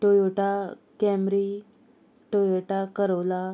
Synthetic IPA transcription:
ʈojoʈakɛmɾi | ʈojoʈakəɾəʋla

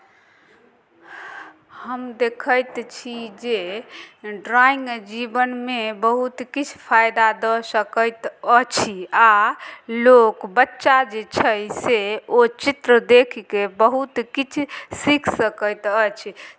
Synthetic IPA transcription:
həmd̪ekʰəjt̪t͡ʃʰid͡ʒe | ɖɾaĩŋɡd͡ʒibənmebəɦut̪kit͡ʃʰpʰajd̪ad̪ɔsəkəjt̪ət͡ʃʰialokbətːʃad͡ʒet͡ʃʰəjseot͡ʃit̪ɾəd̪ekʰkebəɦut̪kit͡ʃʰsikʰsəkəjt̪ət͡ʃʰi

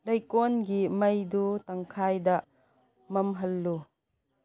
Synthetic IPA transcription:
lɐjkonɡimɐjdutɐŋkʰajdɐ | mɐmɦɐlːu

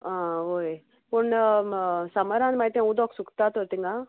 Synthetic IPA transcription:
ãoj | puɳ | sɐməɾãːnmajt̪ẽũd̪ɔːksukt̪aːt̪oɾt̪iŋɡa

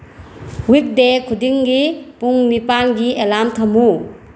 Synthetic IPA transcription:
wik̚dekʰudiŋɡipuŋmipanɡiʔelamtʰamu

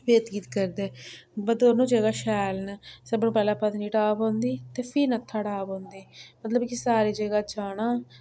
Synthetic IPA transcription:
beːt̪ɡiːt̪kəɾd̪eːbəd̪oːɾnũːd͡ʒeːɡaːʃɛːlnasəbnũpɛːlaːpət̪niːʈaːbõːnd̪iːt̪eːpʰiːnət̪ʰːaːʈaːbõːnd̪iːmət̪ləbkɪsaːɾiːd͡ʒeːɡaːt͡ʃaːnãː

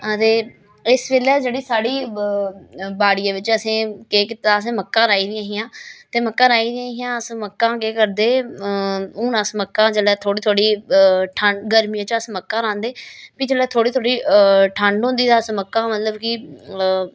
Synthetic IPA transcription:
ət̪eː | ɪsʋeːlɛːd͡ʒeːɽiːsaːɽiː | baːɽiːãːʋɪt͡ʃəsẽːkeːkɪt̪aːəs̬ẽːməkːãːɾaːiːd̪ɪãːɦɪjãːt̪eːməkːãːɾaːiːd̪ɪãːɦɪjãːəsməkːãːkeːkəɾd̪eː | ũːnasməkːãːd͡ʒəlɛːt̪ʰoːɽiːt̪ʰoːɽiːʈʰəɳɖɡəɾmiãːt͡ʃəsməkːãːɾãːnd̪eːpiːd͡ʒəlɛːt̪ʰoːɽiːt̪ʰoːɽiːʈʰə̃ɳɖɦõːnd̪iːd̪aːsməkːãːmət̪ləbkɪ

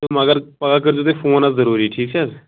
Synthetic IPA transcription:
t̪ʊməɡəɾpəɡaːkəɾd͡ʒoːt̪efʰoːnazəɾuːɾiʈʰiːksɛz

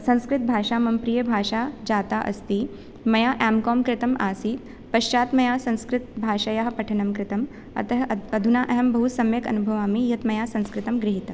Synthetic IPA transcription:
sɐ̃ñskɾɪt̪̚bʱaːʂaːmɐmpɾijɐbʱaːʂad͡ʒaːt̪aʔɐ̰st̪iː | mɐjaːʔaːmkɔːmkɾɪt̪ɐmaːsiːt̪ | pɐʃt͡ʃaːt̪mɐjaːsɐ̃ñskɾɪt̪̚bʱaːʂajɐɦɐpɐʈʰɐnɐmkɾɪt̪ɐm | ɐ̰t̪ɐɦɐd̪ʱunaːʔɐɦɐmbɐɦut̪sɐmjɐkɐ̰nubʱɐʋaːmijɐt̪mɐjaːsɐ̃ñskɾɪt̪ɐmɡɾɪɦit̪ɐ

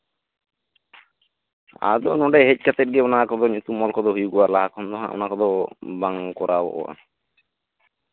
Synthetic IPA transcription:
a̰d̪ɔnɔɖɛɦɛc̚ˀkat̪ɛt̚ɡɛɔnakɔd̪ɔɲut̪umɔlkɔd̪ɔɦujuɡuaɾlaɦakʰɔnd̪ɔɦã̰ʔɔ̰nakɔd̪ɔbaŋkɔɾabɔ̰ʔɔ̰wa̰

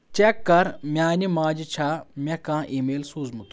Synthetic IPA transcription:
t͡ʃekːɐɾmʲaːnimãːd͡ʒit͡ʃʰamʲẽkãːʔiːmeːlsuːzmut̪

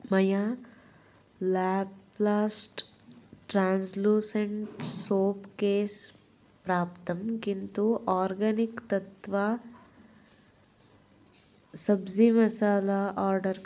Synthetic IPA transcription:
mɐja | laːplaːsʈʈɾaːnsluːsɐɳʈsoːpkeːs | pɾaːpt̪ɐmkint̪uʔaːɾɡɐnikt̪ɐt̪ʋa | sɐbd͡ʒimɐsaːlaʔaːɾɖɐɾ

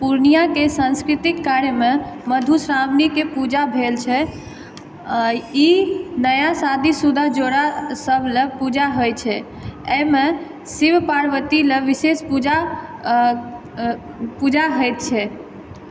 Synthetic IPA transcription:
puɾnijakesə̃nskɾit̪ikːaɾjəmeməd̪ʱusɾamnikepud͡ʒabʱelt͡ʃʰɛ | inəjasad̪ʱisud̪ʱad͡ʒoɽasəbʱlepud͡ʒaɦojt͡ʃʰɛ | eme | sibpaɾʋət̪ileʋisespud͡ʒa | pud͡ʒaɦəjt̪̚t͡ʃʰɛ

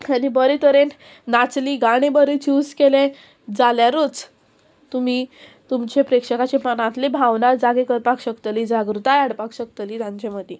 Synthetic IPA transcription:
anibəɾit̪əɾen | nat͡sliːɡaɽ̃ẽbəɾit͡ɕuːskelẽ | d͡zaljaɾut͡s | t̪um̤iːt̪umt͡ɕepɾekʂəkat͡ɕepənãt̪lebʱaʋnaɾd͡zaɡekəɾpakɕəkt̪əliːd͡zaɡɾut̪ajaɽpakɕəkt̪liːt̪jãɲt͡ɕeməd̪ʱe

